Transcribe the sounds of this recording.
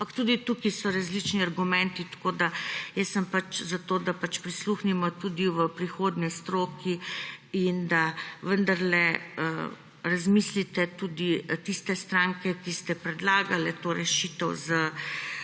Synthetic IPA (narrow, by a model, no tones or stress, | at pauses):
pɐkt̪ud̪it̪ukisɔɾazlit͡ʃniaɾɡumɛnt̪it̪ḁkoːd̪ajɛsːəmpat͡ʃzat̪oːd̪apat͡ʃpɾisluxnimɔt̪uːd̪iʋəpɾixoːd̪nist̪ɾoːkiind̪aʋənd̪aɾlɛə | ɾazmislit̪ɛt̪uːd̪it̪ist̪ɛst̪ɾaŋkɛkist̪ɛpɾɛd̪laːɡalɛt̪oːɾɛʃiːt̪əwzə